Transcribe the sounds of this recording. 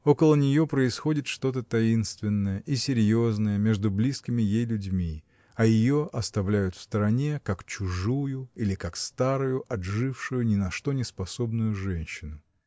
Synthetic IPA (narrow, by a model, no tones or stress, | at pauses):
o̞kəlˠənʲɪjo̞pɾəɪsxo̞dʲɪt̪ʂt̪o̞t̪̬ət̪ɐinst̪vʲɪnːəjəʔisʲɪɾʲjo̞znəjəmʲe̞ʐd̪ʊblʲiskʲɪmʲɪjejlʲʊdʲmʲi | ɐjɪjoʔɐst̪ɐvlʲæjʊt̪fst̪əɾɐnʲekakt͡ɕʊʐujʊilʲɪkakst̪aɾʊjʊʔɐdʐɨfʂʊjʊnʲɪnɐʂt̪o̞nʲɪspɐso̞bnʊjʊʐɛnʲɕːɪnʊ